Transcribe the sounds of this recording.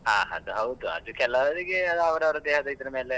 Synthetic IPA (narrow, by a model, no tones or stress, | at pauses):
aːɦɐ̰d̪uɦɐwd̪uɐ̰d̪ukɛlːɐdɐɾiɡeɐd̪ɐʋɐɾɐʋɐɾud̪eːɦɐd̪ɐid̪ɐɾɐmeːle